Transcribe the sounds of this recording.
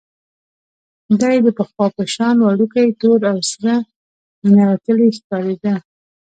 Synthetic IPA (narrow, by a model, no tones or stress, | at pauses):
d̪ɑjd̪əpəxwɑpaʃɑnwaɽukajt̪oɾawsɾa | ənawat̪əleskɑɾed̪a